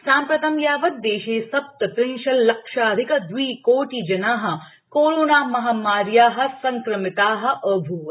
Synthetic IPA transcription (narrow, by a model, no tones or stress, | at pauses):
saːmpɾɐt̪ɐmjaːʋɐt̪̚d̪eːʃeːsɐp̚t̪ɐt̪ɾiŋʃɐlːɐkʃaːd̪ʱikɐd̪ʋiːkoːʈiːd͡ʒɐnaːɦɐ̆ | koːɾoːnaːmɐɦamaːɾjaːɦɐ̆sɐŋkɾɐmɪt̪aːɦɐ̆ʔɐbʱuːʋɐ